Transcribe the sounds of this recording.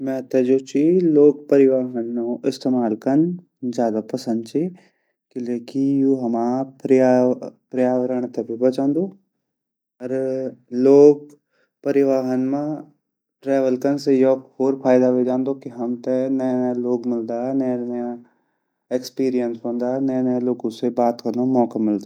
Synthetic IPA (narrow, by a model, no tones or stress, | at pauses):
mɛ̃ːt̪ɛd͡ʒoːt͡ʃʰiloːɡ̚pɐɾɪʋaːɦənːoɪst̪eːmaːlkɐn | zjaːd̪apɐsə̃nd̪̚t͡ʃʰi | kileːkijuːɦɐmãːpɾiapɾjaːʋəɾəɽ̃t̪ɐbʱibɐt͡ʃãːnd̪oː | ɐɾloːɡ̚ | pɐɾɪʋaːɦənmã | ʈɾɛːʋəlkənsejɔoːɾpʰaːɪd̪aʋed͡ʒãːnd̪okiɦɐmt̪enɐnə̃loːɡmɪld̪aːɦɛnɐ̃nɐja | ekspiːɾijənsɦõːnd̪aːɦɛnɐ̃nə̃loːɡõsebaːt̪kɐɾnomɔːkamɪld̪a